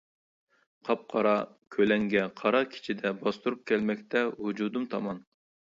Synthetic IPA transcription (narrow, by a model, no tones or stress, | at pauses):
qʰɑp̚qʰɑɾɑ | kʲʰølɛŋɡʲɛqʰɑɾɑkʲʰi̥t͡ʃʰid̪ɛbɑst̪uɾup̚kʲɛlmɛkʲt̪ʰɛɦud͡ʒud̪umt̪ʰɑmɑn